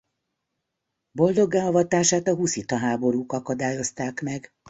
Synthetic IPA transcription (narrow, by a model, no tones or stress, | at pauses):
bo̞ld̪o̞ɡːaːɒvɒt̪aːʃaːt̪ɒɦusit̪ɒɦaːbo̞ɾuːkɒkɒd̪aːjo̞st̪aːkmɛɡ